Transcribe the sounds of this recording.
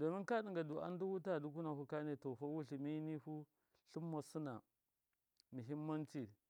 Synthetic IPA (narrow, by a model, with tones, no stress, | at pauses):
do˨mi˦nka˦ɗi˨ŋɡa˨du˨a̰˦n˦du˦wu˦ta˦˨du˦k̬u˦na˨hu˦ka˦ne˨to˨fa˦wu˦ɬi˨mi˦ni˦hu˦ | ɬu˦mːa˨su˦na˨ | mi˨ɦi˦mː˦a˦nt͡ʃi˦˨